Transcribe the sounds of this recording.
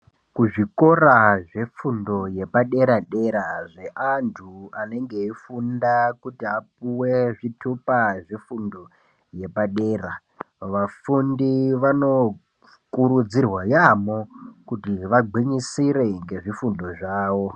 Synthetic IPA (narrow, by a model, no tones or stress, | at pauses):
kuʐiko̞raʐe̞fundo̞je̞paɗe̞ɾaɗe̞ɾaʐe̞ʔantʰuane̞ŋɡe̞ifundakutiap̚uwe̞ʐitʰupaʐefundo̞ | je̞paɗe̞ːra | ʋafundiʋano̞ | kuɾud͡zirwajamo̞kutiʋaɡ͡ǃʱwiɲisiɾe̞ŋɡe̞ʐifundo̞ʐaːʋo̞